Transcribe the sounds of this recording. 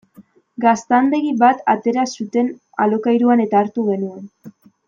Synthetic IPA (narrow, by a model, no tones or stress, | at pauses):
ɡast̪and̪e̞ɣiβat̪a̰t̪e̞ɾasut̪e̞n | a̰lo̞kajɾuane̞t̪aːɾt̪uɣe̞nue̞n